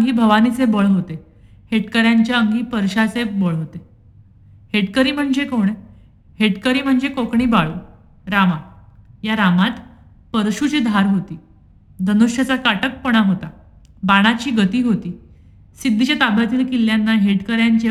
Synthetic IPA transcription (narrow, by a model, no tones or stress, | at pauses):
ɡiːbʱəʋanit͡sebəɭɦot̪e | heʈkəɾjaɲt͡ɕjaəŋɡiːpəɾɕat͡sebəɭɦot̪e | heʈkəɾiːm̤əɳd͡zekoɳ̃e | heʈkəɾiːm̤əɳd͡zekokɳiːbaɭuː | ɾamajaɾamat̪ | pəɾɕut͡ɕiːd̪ʱaɾɦot̪iː | d̪ʱənuɕjət͡sakaʈək̚pəɽ̃aɦot̪a | baɽ̃at͡ɕiːɡət̪iːɦot̪iː | sid̪ʱːit͡ɕjat̪abjat̪iːlkilːjanːaɦeʈkəɾjaɲt͡ɕe